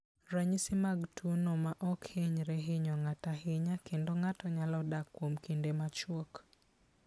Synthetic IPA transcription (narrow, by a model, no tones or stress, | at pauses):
ɾaɲisɪmaɡtʰunɔmaʔɔkheɲɾɛɦeɲɔŋataɦɪɲakendoŋatɔɲalɔdakːwomkindemat͡ʃwok